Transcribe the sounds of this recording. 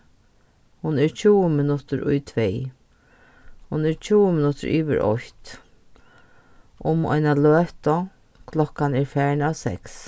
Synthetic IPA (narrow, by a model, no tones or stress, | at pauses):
hʊnɛɹt͡ʃʰuːəmɪnʊt̪əɾʊ̰jt̪ʰʋɛj | hʊnɛɹt͡ɕʰuːəmɪnʊt̪ʊ̰ɾʔḭːʋɪ̰ɾʔɔ̰çt̪ | ʔʊmɔ̰jnaløːt̪ɔ | kʰlɔkːanɛɹfæːɹnawsɛ̰ks